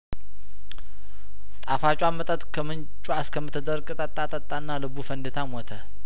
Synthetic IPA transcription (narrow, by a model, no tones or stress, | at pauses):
t̪ʼafat͡ʃʼwamət̪ʼət̪kʰəmɨn | t͡ʃʼuaskʰəmːɨt̪ːɨd̪əɾkʼɨt̪ʼət̪ʼːat̪ʼət̪ʼːanːalɨbufənd̪ɨt̪ʰamɔt̪ʰə